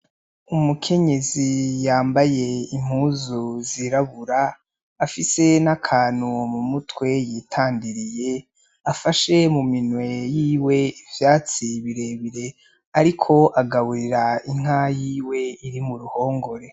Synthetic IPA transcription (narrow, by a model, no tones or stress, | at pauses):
umukʰe̞ɲe̞zijaːmbaje̞im̥huːzuziɾaβuɾaː | fise̞nakʰaːn̥umumutwe̞jiːtʰaːndiɾije̞ | afaʃe̞muminwe̞jiːwe̞ivjaːt͡siβiɾe̞βiɾe̞ | aɾikʰo̞ʔaɡaβuɾiɾaiŋ̥hajiːwe̞iɾimuɾuho̞ːŋɡo̞ɾe̞